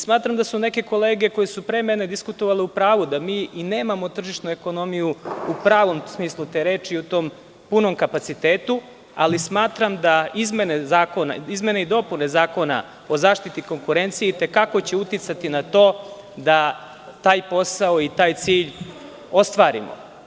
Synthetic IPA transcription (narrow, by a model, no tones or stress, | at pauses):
smaːt̪ɾamd̪asune̞ke̞ko̞le̞ːɡe̞kojesupɾeːmene̞d̪iskut̪oʋaleupɾaːʋud̪amiːineːmamo̞t̪r̩ʒiʃnue̞ko̞no̞mijuupɾaːʋo̞msmiːslˠut̪e̞ːɾe̞ːt͡ʃiut̪o̞ːm | puno̞mkapat̪sit̪eːt̪u | a̰lismaːt̪ɾamd̪aizme̞nezaːko̞na̰izme̞neid̪o̞pune̞zaːko̞na̰ | o̞zaːʃt̪it̪iko̞ŋkuɾe̞nt̪sijeit̪e̞kakot͡ɕeut̪it̪sat̪inat̪o̞ː | d̪a | t̪aːjpo̞saoit̪aːjt̪siːʎ | o̞st̪ʋaːɾḭmo̰